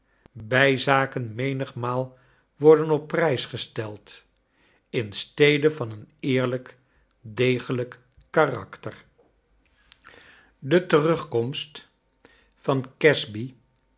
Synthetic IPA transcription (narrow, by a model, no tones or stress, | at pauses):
bɛjzaːkənmejnəχmaːlˠ | ʋɔɹdənɔpːrɛjsχəstɛlˠt | ɪnstejdəvɑnənɪːɹlək | dejχələkː | arɑ̰ktər | dətərɵχkɔmst | fɑnkɛzbi